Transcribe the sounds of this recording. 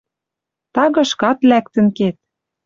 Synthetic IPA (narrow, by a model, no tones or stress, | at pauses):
t̪ɑɣɤ̆ʃkɑt̪lækt̪ə̆nket̪̚